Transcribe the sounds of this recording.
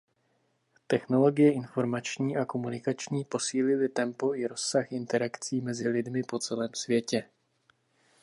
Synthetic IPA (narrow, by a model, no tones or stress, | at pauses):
t̪ɛxno̞lo̞ɡɪjɛʔɪnfo̞ɾmat͡ʃɲiːʔako̞munɪkat͡ʃɲiːposiːlɪlɪt̪ɛmpo̞ʔɪɾo̞sːaxʔɪnt̪ɛɾakt͡siːmɛzɪlɪdmɪpo̞t͡sɛlɛːmsvjɛcɛ